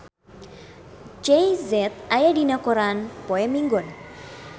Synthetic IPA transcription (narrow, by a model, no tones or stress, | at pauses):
d͡ʒejzɛt̪̚ajadinakɔɾanpɔɛmiŋɡɔn